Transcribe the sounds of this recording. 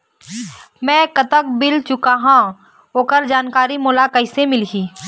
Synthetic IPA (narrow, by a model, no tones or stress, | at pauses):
mɛ̃ːkət̪ək̚bɪlt͡ʃʊkaɦã | oːkəɾd͡ʒaːnkaːɾimʊːlakəɪsemɪlɦiː